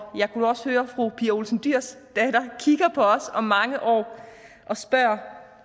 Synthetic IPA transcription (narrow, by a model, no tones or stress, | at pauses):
jɑ̈ɪkʰud̥uɒ̽shøːɐfʁupʰiːɐo̝lsn̩d̥yɐ̰sd̥ɛdɐkʰiɡ̥ɐpʰɒ̽ɒ̽sɒ̽mːɑ̈ŋəʔɒ̰ː | ʔɒ̽sb̥ɶɐ̰